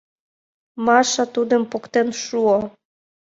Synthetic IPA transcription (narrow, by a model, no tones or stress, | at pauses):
mɑʃɑt̪ud̪əmpokt̪enʃuo